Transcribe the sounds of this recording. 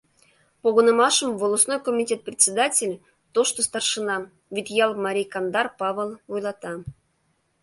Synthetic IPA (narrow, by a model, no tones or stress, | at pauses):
poɣonə̆mɑʃəmvolˠosnojkomʲitʲet̪̚prʲɪt͡sʲed̪atʲelʲ | t̪oʃt̪ost̪ɑrʂənɑ | vʲit̪ʲjɑlˠmɑɾʲijkɑnd̪ɑrpɑvəlˠojlˠɑt̪ɑ